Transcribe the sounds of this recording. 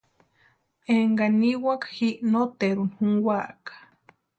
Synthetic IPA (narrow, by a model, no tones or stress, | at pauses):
eŋɡaniwakhiʔnot̪eɾunhuŋwakḁ